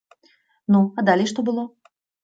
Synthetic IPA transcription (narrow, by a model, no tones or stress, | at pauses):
nuad̪alʲejʂt̪ɔbɨlˠɔ